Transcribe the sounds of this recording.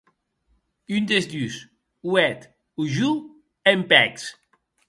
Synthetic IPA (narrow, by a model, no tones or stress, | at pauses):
ynd̪ezd̪ys | wɛt̪ | uʒu | empɛks